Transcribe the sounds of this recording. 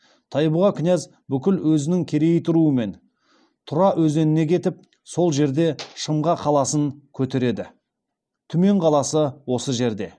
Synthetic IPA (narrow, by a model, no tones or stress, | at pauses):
t̪ʰɑjbʊʁɑkʲʰʏnæz | bʏkʲɪlwɵzɪnɪŋkʲʰe̞ɾe̞jɪt̪ʰʊɾuəme̞n | t̪ʰʊɾɑʔwɵze̞nɪne̞kʲʰe̞t̪ɪp̚ | so̞lˠʒe̞ɾd̪e̞ʃəmʁɑqʰɑlˠɑsəŋkʲʰɵt̪e̞ɾe̞d̪ɪ | t̪ʰʏme̞ɴqʰɑlˠɑsəwo̞səʒe̞ɾd̪e̞̰